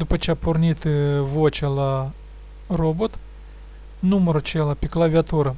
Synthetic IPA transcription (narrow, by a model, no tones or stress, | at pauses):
d̪upɐt͡ʃeapornʲit̪ɨvot͡ʃalˠa | robot̪ | numəɾut͡ʃelˠɐpʲiklˠavʲiat̪uɾɐ